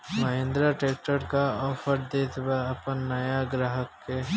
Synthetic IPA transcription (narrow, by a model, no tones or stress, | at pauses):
mɐɦẽːnd̪ɾaʈɾeːk̚ʈəɾkaɔːfʰəɾd̪eːt̪ʰbaɐpənːɐjaɡɾaːɦəkːe